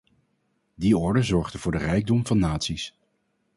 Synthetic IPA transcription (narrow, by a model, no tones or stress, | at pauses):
diɔɹdəzɔɹχdəv̥ʊːɹdərɛjɡ̚dɔmvɑnːaːtsis